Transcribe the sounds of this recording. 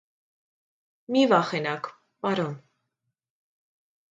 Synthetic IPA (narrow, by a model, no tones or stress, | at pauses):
mivɑχɛnɑk | pɑɾɔn